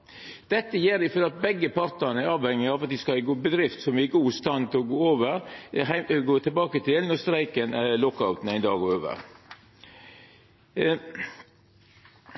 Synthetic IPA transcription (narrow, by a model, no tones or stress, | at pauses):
d̪̥ɛt̪ːəjeːɾɪfɔɾd̪ɑt̪̚bɛɡːəpʰɑɾt̪əɾnəæɾɑːʋhɛŋːɪɑʋɑt̪̚d̪ɪskɑɪɡoːbəd̪ɾɪft̪sɔmɪːɡuːst̪ɑnt̪ʰɪlɔɡoːoːʋəɾhæɪɡoːt̪ʰɛbɑːkət̪ʰɪlnɔst̪ɾæɪkənælɔkːɑʉt̪n̩æɪnd̪ɑ̰ːɡoːɾoːʋə̰ɾ